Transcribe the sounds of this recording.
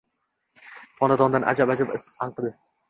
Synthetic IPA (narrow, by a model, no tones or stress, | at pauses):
χɒnad̪ɒnd̪anʔa̰d͡ʒabad͡ʒabɪsɨ̥qanqʰɨd̪ɪ